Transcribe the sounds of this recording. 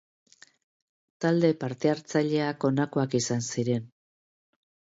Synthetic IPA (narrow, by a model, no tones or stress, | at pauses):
t̪ald̪e̞paɾt̪e̞aɾt͡saʎe̞ako̞nakoakisansiɾe̞n